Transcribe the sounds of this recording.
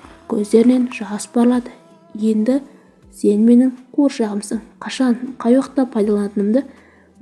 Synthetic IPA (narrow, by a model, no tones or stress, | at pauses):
kʲʰɵzd̪e̞ɾɪne̞nʒɑsbɑɾlˠɑd̪ə | je̞nd̪ɪ | se̞nme̞nɪŋqʰoɾʃɑʁəmsəɴqʰɑʃɑɴqʰɑjwɑqt̪ɑpʰɑjd̪ɑlˠɑnɑt̪ənəmd̪ə